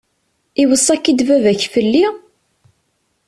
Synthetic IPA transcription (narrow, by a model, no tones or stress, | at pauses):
iwəsˤːækːid̪vævæçfəlːi